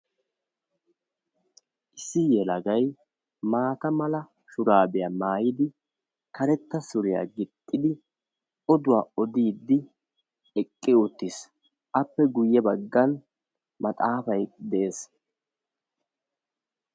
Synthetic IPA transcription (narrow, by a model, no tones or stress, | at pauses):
ʔɪsːɪjɛlɐɡɐj | maːt̪ɐmɐlɐ | ʃʊɾaːbɛjaːmaːjɪd̪ɪ | kɐɾɛt̪ːɐsʊɾɪja̰ɡɪt̪ʼːɪd̪ɪ | ɔd̪ʊwaːɔd̪iːd̪ːɪ | ɛkʼːɪɔt̪ːis | ʔɐpːɛɡʊjːɛbɐɡːɐn | mɐt̪ʼaːfɐjd̪ɛeːs